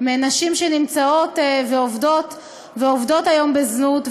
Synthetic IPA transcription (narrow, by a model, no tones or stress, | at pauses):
meanaʃimʃenimt͡sao̞t̪veovdo̞t | veovd̪o̞t̪ajo̞mbeznut̪